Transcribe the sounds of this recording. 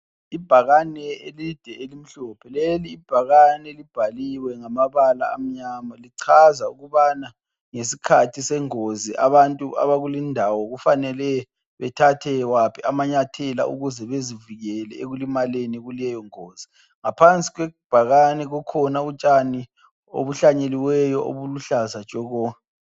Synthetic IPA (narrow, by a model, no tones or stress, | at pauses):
ib̥ʱaɣanɛelid̥ʱɛelim̩ɬɔpʰɛleliːb̥ʱaɣanɛlib̥ʱaliwɛŋamaβala̰ːm̩ɲamaliǀʰazauɣuβana | ŋesikʰatʰisɛŋoziʔa̰βantʼuʔa̰βaɣulindʱawɔɣufanɛlɛ | βɛtʰatʰɛwapʰiamaɲatʰɛla̰ṵɣuzɛβeziviɣɛlɛeɣulimaleniɣulɛjɔŋoːz̥i | ŋapʰant͡sʼiɣwɛb̥ʱaɣanɛɣɔkʰɔnaut͡ʃʼani | o̰βuɬaɲeliwɛjɔʔo̰βuluɬazḁt͡ʃʼɔɣɔːa